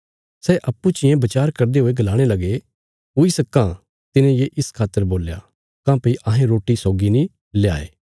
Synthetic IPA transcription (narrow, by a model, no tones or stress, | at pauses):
sɛʔɐpːut͡ʃɪjẽbɐt͡ʃaːɾkɐɾd̪eɦoːeɡɐlaːɽ̃elɐɡe | ɦoːisɐkːã | t̪ɪnẽjeʔɪskʰaːt̪ːəɾboːlja | kãːpɐiʔɐɦẽɾoːʈisoːɡinĩ | lja̰ːḛː